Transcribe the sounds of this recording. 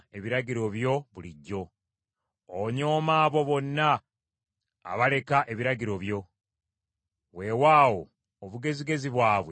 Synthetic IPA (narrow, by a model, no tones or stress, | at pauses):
eβiɾaɟiɾo̞βjo̞βuliɟːo̞ | oɲo̞ːmaːβo̞βo̞nːa | βale̞kaʔe̞βiɾaɟiɾo̞βjo̞ | wewaːwo | oβuɡe̞ziɡe̞ziβwaːβwe